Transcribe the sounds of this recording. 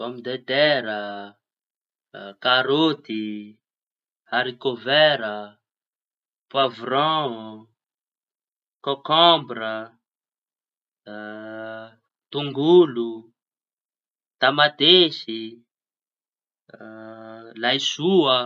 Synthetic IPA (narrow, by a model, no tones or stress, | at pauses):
v̥ɔmid̪et̪ɛɾə | kaɾot̪i | haɾikovɛɾə | pwavɾɔ̃ | kɔkɔ̃mbɾə | t̪uŋɡulu | t̪amat̪esi | lajsuə